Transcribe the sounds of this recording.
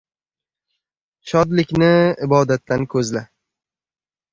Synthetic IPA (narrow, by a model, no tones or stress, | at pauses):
ʃɒd̪lɪkʲnɪɪbɒd̪at̪ʰːankʰɵzla